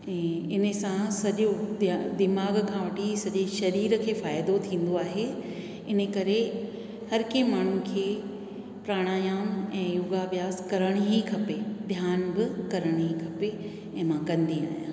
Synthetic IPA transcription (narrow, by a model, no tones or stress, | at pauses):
ɛ̃ː | ɪnə̆sãsɐʄod̪ɪmaːɡkʰãʋɐʈisɐʄeʃɐɾiːɾəkʰeːfaːjɪd̪ot̪ʰĩːn̆d̪oaːɦe | ɪn̤ə̆kɐɾe | hɐɾkẽmaːɳ̤ukʰeː | pɾaːɽ̃aːjaːmɛ̃ːjʊɡaʋijaːskɐɾəɽ̃ɦikʰɐped̪ʱjaːnbɪkɐɾəɽ̃ɦikʰɐpe | ɛ̃ːmãkɐ̃nd̪ia̰ːjã̰ː